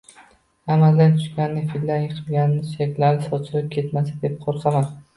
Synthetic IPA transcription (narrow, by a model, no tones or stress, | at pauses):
amald̪ant̪ʰʊ̥ʃkʲanːɪfilʲd̪anjɨqʰɨlˠɡʲanɪnɪʃekʲlaɾɪsɒt͡ʃʰɪlɪp̚kʲʰe̞t̪masad̪e̞p̚qʰoɾsaman